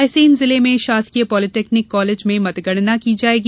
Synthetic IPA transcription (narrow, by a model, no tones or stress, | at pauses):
ɛːseɪnzɪlemẽʃaːskiəpɔːlɪʈeːknɪkːɔːleːd͡ʒmẽmɐt̪ɡəɽ̃nakid͡ʒaːeːɡi